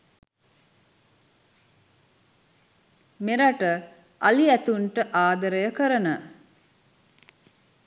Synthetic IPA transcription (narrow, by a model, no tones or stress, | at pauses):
meɾaʈə | aliæt̪uɳʈəʔaːd̪əɾəjəkəɾənə